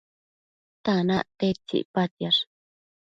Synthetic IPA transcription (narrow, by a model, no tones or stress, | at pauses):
t̪anaʔt̪et͡ʃḭʔpat̪jaʂ